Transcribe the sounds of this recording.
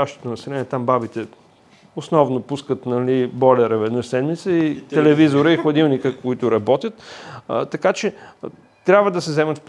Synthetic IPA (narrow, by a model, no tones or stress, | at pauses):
aʃt̪o̥t̪onɐsɛlɛniɛt̪ambabit̪ɛ | ʊsnɔvnopuskət̪nɐlibɔlʲɛɾəvɛd̪nəsɛd̪mit̪səit̪ɛlɛvizoɾəixlˠɐd̪ilˠnikəkʊit̪ʊɾɐbɔt̪ʲjət̪t̪ːɐkat͡ʃɛ | t̪ɾʲabvəd̪ɐsɛzɛmət̪fp